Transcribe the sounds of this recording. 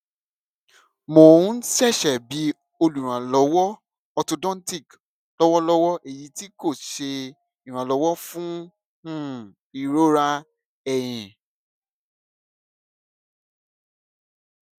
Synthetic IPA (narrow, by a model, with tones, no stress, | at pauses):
mo˨˦n̩˦ʃɛ˦˨ʃɛ˨bi˨˦ | o˧lu˨ɾ̃ã˨lɔ˨˦wɔ˦ | ɔ˧to˧dɔ̃˦ti˦˨k | lɔ˦wɔ˦lɔ˦wɔ˦ʔe˦˨ji˨˦ti˦ko˦˨ʃe˧ | i˨ɾ̃ã˨lɔ˨˦wɔ˦fũ˦ | ũ˦˨ | i˨ɾo˦ɾa˦ | ɛ˦˨j̃ɛ̃˨